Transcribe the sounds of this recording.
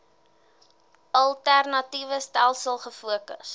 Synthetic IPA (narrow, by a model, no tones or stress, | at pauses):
ɐlˠtærnɐtivəstælˠsəlˠχəfuəkə̰s